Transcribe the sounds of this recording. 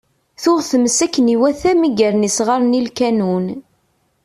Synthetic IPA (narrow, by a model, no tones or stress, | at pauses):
θʊʁθməsækːəniwæθæmiɡəɾnisʁəɾˤnilkænun